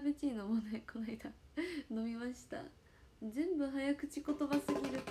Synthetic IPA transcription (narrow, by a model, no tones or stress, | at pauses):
bɯt͡ɕʲinomonekʰo̞naid̪ano̞mʲimaɕi̥t̪a̰ | zẽ̞mbɯ̟ɦajakɯ̟̥t͡ɕiko̞t̪o̞basɨɡʲiɾɯ̟